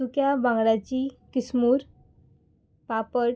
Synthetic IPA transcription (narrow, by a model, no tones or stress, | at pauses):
ukjabãŋɡɽat͡ɕikismuːɾ | papəɽ